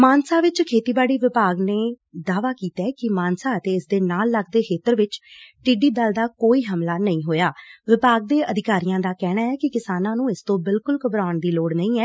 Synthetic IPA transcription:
maːnsaːʋɪt͡ʃkʰeːt̪iːbaːɽiːʋɪpaːɡneː | d̪aːʋaːkiːt̪aːkɪmaːnsaːət̪eːɪsd̪eːnaːlːəɡd̪eːkʰeːt̪əɾʋɪt͡ʃʈiːɖiːd̪əld̪aːkoːiːɦəmlaːnəĩːɦoːjaːʋɪpaːɡ̚d̪eːʔəd̪ɪkaːɾijãːd̪aːkɛːɽaːɛːkɪkɪsaːnãːnũːɪst̪õːbɪlkʊlkəbɾaːʊɳd̪iːloːɽnəĩːɛː

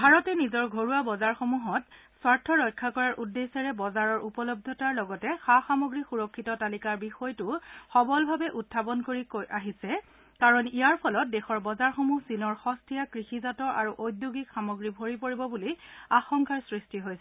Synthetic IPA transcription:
bʱaɹɔtɛnizɔɹɡʱoɹuabɔzaɹxomuɦɔtswaɹtʰːɔɹɔjkʰːakɔɹaɹʔudːesɛɹɛbɔzaɹɔɹupɔlɔb̚d̪ʱɔtaɹlɔɡɔtɛxaxamoɡɹixuɹɔkʰːitɔtalikaɹbixɔjtʊxɔbɔlbʱabɛʔutʰːapɔnkoɹikojʔaɦisɛ | kaɹɔnijaɹpʰɔlɔt̚dɛxɔɹbɔzaɹxomusinɔɹxɔstiakɹixizatɔɹa̰ɹuʔojduɡikxamoɡɹibʱoɹipoɹibɔbuliaxɔŋkaɹsɹistiɦojsɛ

